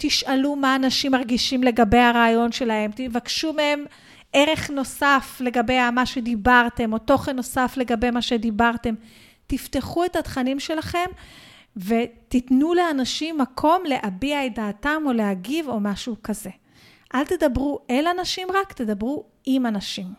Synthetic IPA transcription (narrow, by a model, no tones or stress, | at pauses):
t̪iʃalumaːnaʃimaʁɡiʃimle̞ɡabe̞jaʁaːjo̞nʃe̞lahe̞mt̪ivakʃumehem | ʔe̞ʁe̞χno̞safle̞ɡabe̞jamaʃe̞d̪ibaʁte̞mo̞to̞χenːo̞safle̞ɡabe̞jmaʃe̞d̪ibaʁte̞m | t̪ifteχue̞that̪χanimʃe̞laχe̞m | ve̞tit̪nule̞anaʃimːakʰo̞mle̞ʔabiaedaːtamo̞le̞aɡivo̞maʃukaze̞ | ʔalt̪e̞d̪abʁuʔelanaʃimʁakt̪e̞d̪abʁu | ʔimanaʃim